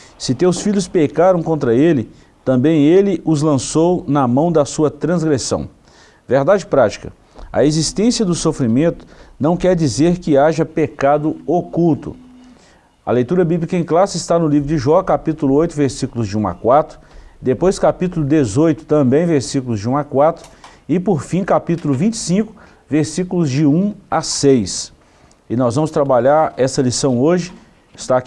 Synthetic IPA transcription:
sɪt̪ewsfiʎʊspekaɾɐ̃w̃kõnt̪ɾɐelɪ | t̪ɐ̃mbẽj̃elɪʔʊzlɐ̃sownɐmɐ̃w̃d̪ɐsuɐt̪ɾɐ̃zɡɾesɐ̰̃w̃ | veɾd̪ad͡ʒɪpɾat͡ʃi̥kɐ | ɐ̰ezist̪ẽsiɐd̪ʊsofɾimẽnt̪ʊ̥nɐ̃w̃kɛɾd͡ʒizeɾkɪaʒɐpekad̪ʊokult̪ʊ̰ | ɐ̰lejt̪uɾɐbiblikɐẽj̃klasɪzɪst̪anʊlivɾʊd͡ʒɪʒɔkapit̪ulʊojt̪ʊveɾsikulʊzd͡ʒɪũa̰kwat̪ɾʊ̥d̪epojskapit̪ulʊd̪ezojt̪ʊ̥t̪ɐ̃mbẽj̃veɾsikulʊzd͡ʒɪũakwat̪ɾʊ | ɪpoɾfĩkapit̪ulʊvĩt͡ʃɪ̥sĩkʊ̥ | veɾsikulʊzd͡ʒɪũasejs | ɪnɔzvɐ̃mʊst̪ɾabaʎaɾɛsɐlisɐ̃w̃oʒɪ | ɪst̪ak

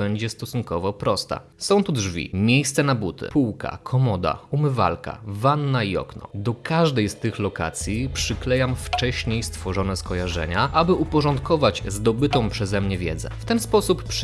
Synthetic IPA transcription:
bɛɲd͡ʑɛst̪ɔsunkɔvɔpɾɔst̪a̰sɔ̃w̃t̪udʐvʲḭmʲjejst̪sɛnabut̪ɘ̰puwka̰kʰɔmɔd̪a̰umɘva̰lka̰vanːaiɔ̰knɔ̰d̪ɔkaʐd̪ɛjst̪ɘxlɔka̰t̪sʲjipʂɘklɛjamft͡ʂɛɕɲejst̪fɔʐɔnɛskɔjaʐɛ̰ɲaʔabɘʔupɔʐɔnt̪kɔvad͡ʑzd̪ɔbɘt̪ɔ̃w̃pʂɛzɛmɲɛvʲjɛ̰d̪zɛ̰ft̪ɛnspɔsupːʂ

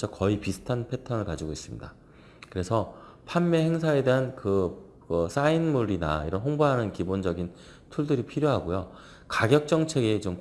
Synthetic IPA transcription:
t͡ɕʰʌkʌipisʰɯ̥tʰanpʰe̞tʰʌnɯɭkad͡ʑiɡois͈ɯmɲḭda | kɯɾe̞sʰʌ | pʰamːehe̞ŋsʰae̞de̞ɦankɯ | ɯs͈ainmuɾina̰iɾʌnɦoŋboɦanɯnkibond͡ʑʌɡin | tʰuɭdɯɾipʰiɾjoɦaɡojo | kaɡjʌk̚t͡ɕ͈ʌŋt͡ɕʰe̞ɡet͡ɕom

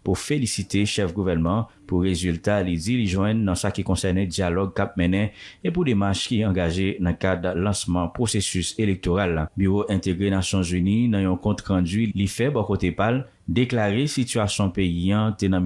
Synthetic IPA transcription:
pufelisit̪eʃɛfɡuvɛnmɑ̃ | puʁezyltalid͡ziliʒwɛ̃nːãsakikɔ̃sɛnɛd͡zjalɔɡ̚kap̚mɛ̃nɛ̃epudemaʃkiɑ̃ɡaʒenãkadlɑ̃smɑ̃pʁosesyselek̚t̪oʁalːabyʁoʔɛ̃t̪eɡʁenasjɔ̃zyninãjɔ̃kɔ̃t̪ʁãd͡zilifɛbɔkot̪epal | deklaʁesityasjɔ̃peijɑ̃t̪enã

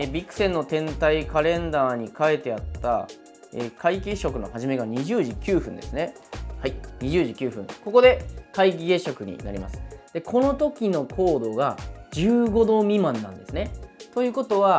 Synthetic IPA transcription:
ebʲikːɯ̟̥sẽ̞nːo̞t̪ẽ̞nt̪aikaɾẽ̞nd̪aːɲ̟ikae̞t̪e̞at̪ːa̰ | ekʰaikʲeɕo̞kɯ̟no̞haʑime̞ɡaɲ̟iʑɨːʑikʲɯːɸɯ̟̃nd̪e̞sɨne̞haiɲ̟iʑɨːʑikʲɨːɸɯ̟̃ŋko̞ko̞d̪e̞kaik̬ʲiɡe̞ɕo̞kɯ̟ɲ̟ḭna̰ɾʲḭma̰sɨ̥d̪̥e̞kʰo̞no̞t̪o̞kʲino̞kʰo̞ːd̪o̞ɡad͡ʑɨːɡo̞d̪o̞ːmʲimãnːã̰nd̪e̞sɨne̞t̪o̞jɯ̟ːko̞t̪o̞β̞a

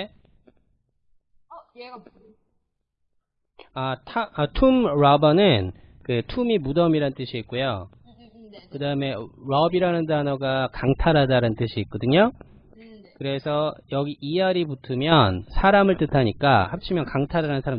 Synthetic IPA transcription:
e | atʰaatʰumɾabʌnɯn | kɯtʰumimudʌmiɾanɯnt͈ɯɕʰiːt̚k͈ujo̰ | kɯdaɯme̞ɾʌbiɾanɯndanʌɡakaŋtʰaɾadaɾannt͈ɯɕʰiːt̚k͈ʌdɯɲo | kɯɾe̞sʰʌjʌɡiʔijaɾiputʰɯmjʌnsʰaɾamɯɭt͈ɯtʰaɲik͈a̰hap̚t͡ɕʰimjʌnkaŋtʰaɾaɾanɯnsʰaɾam

